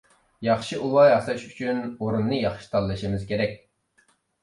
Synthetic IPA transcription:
jɑχʃiʔulˠɑjɑslˠɑʃyt͡ʃʰynoɾunːɨjɑχʃi̥t̪ʰɑlˠːɨʃimɪz̥kʲʰeɾɛkʲ

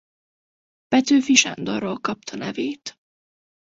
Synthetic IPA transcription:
pɛt̪øːfiʃa̰nd̪orːolkɒp̚t̪ʰɒnɛveːt̪

